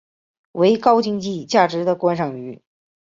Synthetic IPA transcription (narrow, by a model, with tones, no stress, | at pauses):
we˧˥ɪkɑ˥ʊt͡ɕi˥˧ŋt͡ɕi˥˧t͡ɕja˥˩ʈ͡ʂɻ̩˧˥d̪ə˧kwa˥nʂɑ˨˩ŋy˧˥